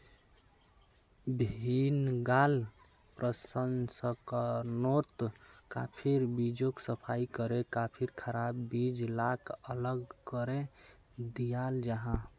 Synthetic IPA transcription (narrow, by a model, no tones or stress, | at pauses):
bʱinɡal | pɾʔəsənsəkənot̪kapʰiɾbid͡ʒoksəpʰaikəɾekapʰiɾkʰəɾabːid͡ʒlakʰələɡkəɾe | d̪ijald͡ʒaɦã